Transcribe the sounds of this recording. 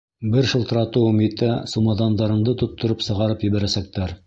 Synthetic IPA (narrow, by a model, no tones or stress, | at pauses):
bɘɾʃɤ̆lˠt̪ɤ̆ɾɑt̪uwmit̪æsumɑðɑnd̪ɑɾɤ̆ɴd̪ɤt̪ŏt̪ːŏɾɤpsɤ̆ʁɑɾɤpjɘ̆βæɾæsæk̚t̪æɾ